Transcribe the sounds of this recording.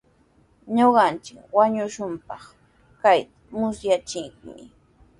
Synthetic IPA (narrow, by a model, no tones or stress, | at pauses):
ɲoɢɑnt͡ʃɪkwaɲʊʃʊmpɑχ | kajt̪ḁmʊsjat͡ʃɪkmɪ̰